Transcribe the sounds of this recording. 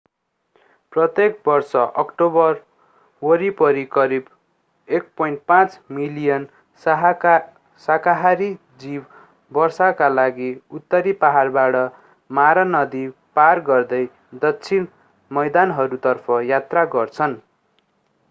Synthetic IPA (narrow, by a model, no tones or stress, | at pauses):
prʌt̪ek̚bʌrsʌʔʌkʈobʌr | wʌɾipʌɾikʌɾib | ek̚pʌjɳʈpãt͡smilijʌn | sakaɦaɾi | d͡zib | bʌrsakalaɡiut̪ːʌɾipaɦarbaɽʌ | maɾʌnʌd̪iparɡʌrd̪ʌj | d̪ʌt͡sʰin | mʌjd̪anɦʌɾut̪ʌrpʰʌjat̪raɡʌrt͡sʰʌn